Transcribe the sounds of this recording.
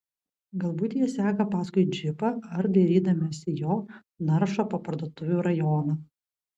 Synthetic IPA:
ɡɐlˠbuːt̪ʲjɛsʲæːkɐpɑːskʊɪd͡ʒʲɪpɐɐɾd̪ɐɾʲiːd̪ɐmʲɛsʲɪjoː | nɐɾʃoːpɐpɐɾd̪oːt̪ʊʋʲuɾɐjɔːnɐː

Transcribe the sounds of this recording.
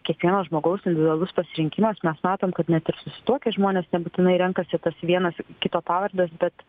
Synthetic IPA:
kʲiɛkʋʲiɛnoːsʒmoːɡɐʊsɪnʲd̪ʲɪʋʲɪdʊɐlˠʊspɐsʲɪɾʲɪŋʲkʲɪmɐsmʲɛsmɑːt̪oːmkɐt̪nʲɛt̪ɪɾsʊsʲɪ̥t̪uɔkʲɛʒmoːnʲeːsnʲɛbuːt̪ʲɪnɐɪɾʲɛŋkɐsʲɪt̪ɐsʋʲiɛnɐskʲɪt̪oːpɑːʋɐrʲd̪ɐsbʲɛt̪

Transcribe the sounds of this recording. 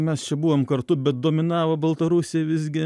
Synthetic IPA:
mʲɛst͡ʃʲɛbuʋomkɐrt̪ʊbʲɛt̪̚d̪oːmʲɪnɑːʋobɐlˠt̪ɐɾusʲɪjɛʋʲɪzʲɡʲɪ

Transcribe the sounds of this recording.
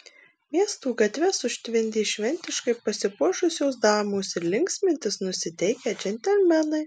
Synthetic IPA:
mʲiɛst̪uːɡɐt̪ʲʋʲɛsʊʃʲt̪ʲʋʲɪnʲd̪ʲiːʃʲʋʲɛnʲt̪ʲɪʃkɐɪpɐsʲɪpuːʃʊsʲoːsd̪ɑːmoːsɪɾlʲɪŋksʲmʲɪnʲt̪ʲɪsnʊsʲɪt̪ʲɛɪkʲɛd͡ʒʲɛnʲt̪ʲɛlʲmʲɛnɐɪ

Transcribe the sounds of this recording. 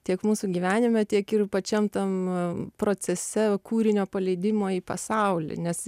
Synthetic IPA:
t̪ʲiɛkmuːsuːɡʲiːʋʲæːnʲɪmʲɛt̪ʲiɛkɪrpɐt͡ʃʲɛmt̪ɐmpɾoːt͡s̪ʲɛsʲɛkuːɾʲɪnʲoːpɐlʲɛɪd̪ʲɪmoːiːpɐsɐʊlʲḭːnʲɛs

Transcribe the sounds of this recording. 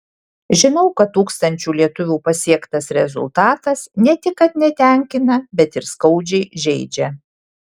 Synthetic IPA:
ʒʲɪnɐʊkɐt̪ːuːkst̪ɐnʲt͡ʃʲuːlʲiɛt̪ʊʋʲuːpɐsʲiɛkt̪ɐsɾʲɛ̰zʊ̰lˠt̪ɑːt̪ɐsnʲɛt̪ʲɪkːɐt̪nʲɛt̪ʲæˑŋʲkʲɪnɐbʲɛt̪ɪɾskɐʊd͡ʒʲɛɪʒʲɛɪd͡ʒʲɛ

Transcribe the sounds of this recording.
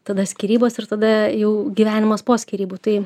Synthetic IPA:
t̪ɐd̪ɐsʲkʲiɾʲiːboːsɪɾt̪ɐd̪ɐjɛʊɡʲiʋʲæːnʲɪmɐspoːsʲkʲiɾʲiːbuːt̪ɐɪ

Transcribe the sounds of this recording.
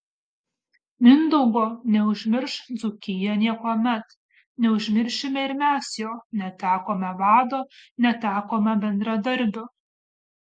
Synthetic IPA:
mʲɪnd̪ɔʊɡoːnʲɛʊʒʲmʲɪɾʃd̪zʊkʲɪjɛnʲiɛkoːmʲɛt̪ | nʲɛʊʒʲmʲɪɾʲʃʲɪmʲɛɪɾmʲæsjoːnʲɛt̪ʲæːkoːmʲɛʋɑːd̪oːnʲɛt̪ʲæːkoːmʲɛbʲɛnd̪ɾɐd̪ɐɾʲˑbʲʊ

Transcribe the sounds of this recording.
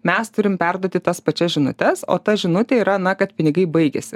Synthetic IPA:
mʲɛst̪ʊɾʲɪmpʲæɾd̪oɔt̪ʲɪt̪ɐspɐt͡ʃʲɛsʒʲɪnʊt̪ʲɛso̰ːt̪ɐʒʲɪnʊt̪ʲɛiːɾɐnɐkɐt̪pʲɪnʲɪɡɐɪbɐɪɡʲɛ̰sʲɪ

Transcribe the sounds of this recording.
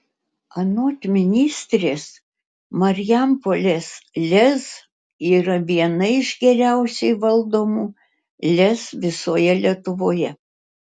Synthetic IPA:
ɐnoːt̪ʲmʲɪnʲiːsʲt̪ʲɾʲeːs | mɐɾʲjæmpolʲeːslʲɛs | iːɾɐʋʲiɛnɐɪʒɡʲɛɾʲæˑʊsʲɛɪʋɐlˠd̪oːmuː | lʲɛsʋʲɪsoːjɛlʲiɛt̪ʊʋoːjɛ

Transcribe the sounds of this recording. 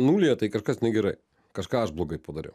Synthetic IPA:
nuːlʲijɛt̪ɐɪkɐʃkɐsnʲɛɡʲɛɾɐɪ | kɐʃkɑːɐʃblˠoːɡɐɪpɐd̪ɐɾʲɛ̰ʊ

